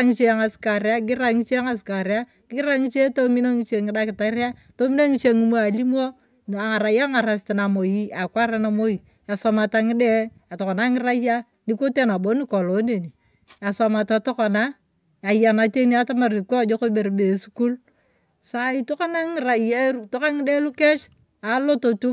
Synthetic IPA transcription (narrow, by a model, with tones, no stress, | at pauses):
a˦ŋi˦t͡ʃe˦a˨ŋa˨ska˨ɾja˦ɡɪ˦ɾa˦ŋi˦t͡ʃe˦ŋa˨ska˨ɾja˦ | ɡ̥ɪ˦ɾa˦ŋi˦t͡ʃe˦to˦mi˦no˦ŋi˦t͡ʃe˨ŋi˨da˦kɪ˨ta˨˦ɾi˦a˦to˦mi˦no˦ŋi˦t͡ʃe˦ŋi˨˦mo˦a˨li˦m˦o˦ | a˨ŋa˨ɾa˨ja˦ŋa˨ɾa˨s̬ti˨na˨mo˨ji˦a˨kʷa˦ɾa˦na˦mo˦ji˨ | a˨sa˨ma˨ta˨ŋi˦de˦ | a˨tɔ˨ka˨na˦ŋi˦ɾa˦ja˦ | ni˦ko˦te˦na˨bo˨˦ni˦ko˨lo˨˦ne˨ni˨ | a˨sa˨ma˨ta˨to˦ka˨na˦ | a˨ja˨na˨te˦ni˦a˦ta˦ma˨ɾi˨ko˦a˨d͡ʒo˦ko˦be˨ɾbe˨su˦ku˦l | sa˦i˨to˦ka˦na˦ŋi˨ɾa˨ja˦˨to˦ka˦ŋɪ˦de˦lu˦ke˦t͡ʃ | a˨˦lo˦to˨tu˦